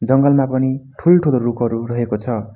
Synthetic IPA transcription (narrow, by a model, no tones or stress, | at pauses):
d͡zʌŋɡʌlmapʌniʈʰulʈʰuloɾukɦʌɾurʌɦekot͡sʰʌ